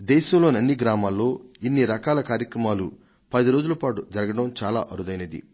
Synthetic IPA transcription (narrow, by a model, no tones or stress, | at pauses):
d̪ɛːʃɐmlo̞ːnɐnːiɡɾaːmaːlːo̞ːinːiɾɐkaːlɐkaːɾjɐkɾɐmaːlu | pɐd̪iɾo̞ːd͡ʒulɐpaːʈud͡ʒɐɾɐɡɐɽɐmt͡ʃaːla̰ːʔɐɾud̪ɐjnɐd̪ḭ